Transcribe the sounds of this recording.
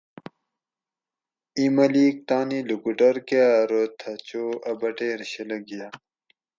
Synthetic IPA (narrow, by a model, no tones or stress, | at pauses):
imɐliːk̚t̪aːnilukuʈɐɾkeɾot̪ʰɐt͡ɕoːʔɐbɐʈeɾiɕelɐɡija